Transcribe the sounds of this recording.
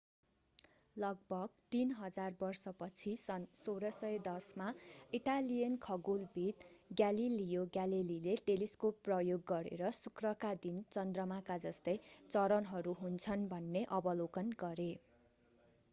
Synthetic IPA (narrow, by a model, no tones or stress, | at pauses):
lʌɡ̚bʱʌɡt̪inɦʌd͡zarbʌrsʌpʌt͡sʰisʌnsoɾʌsʌjed̪ʌsmaiʈalijʌnkʰʌɡulbʱit̪ɡjalilijoɡjalilileʈeliskopːrʌjoɡːʌɾḛɾʌsukrʌkad̪int͡sʌnd̪rʌmakad͡zʌst̪ʌjt͡sʌɾʌnɦʌɾuɦunt͡sʰʌnbʱʌnːeʔʌbʌlokʌnɡʌɾe